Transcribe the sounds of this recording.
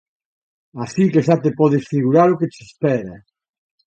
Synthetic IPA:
asikeʃat̪epɔð̞esfiɣuɾaɾoket͡ʃespɛɾa

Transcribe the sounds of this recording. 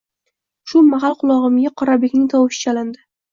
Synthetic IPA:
ʃʊmaɦalˠqʊlˠɒʁɨmɡʲaqʰɒɾabekʲnɪŋt̪ʰɒwɪʃɪ̥t͡ʃʰalɪnd̪ɪ

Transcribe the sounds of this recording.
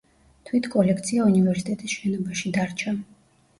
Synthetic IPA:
t̪ʰwit̪ʰkʼɔlɛkʰt̪sʰiaunivɛɾsi̥t̪ʼɛt̪ʼisʃɛnɔbaʃid̪aɾt͡ʃʰa

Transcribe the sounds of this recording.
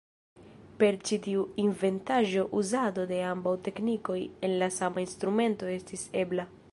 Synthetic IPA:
pe̞ɾt͡ʃitiuinve̞ntaʒo̞ʔuzado̞de̞ambawte̞kniko̞je̞nlasamainst̪ɾume̞nto̞e̞stise̞bla

